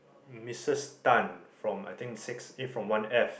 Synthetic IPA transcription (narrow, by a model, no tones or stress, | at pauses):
misəstãnfɹɔ̃ma̰jt̪ĩŋsiksefɹɔ̃mwãnɛf